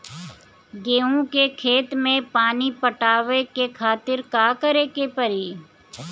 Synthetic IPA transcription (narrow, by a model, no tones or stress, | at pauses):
ɡeːũkekʰeːt̪mẽpaːnipəʈaːʋekekʰaːt̪ɪɾkaːkəɾekepəɾi